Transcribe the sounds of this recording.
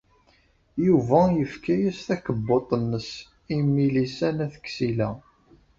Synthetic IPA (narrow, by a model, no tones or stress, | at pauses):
juvæjəfkæjæsθækəbːot̪ˤənːəs | imːilisænæθə̥kːsilæ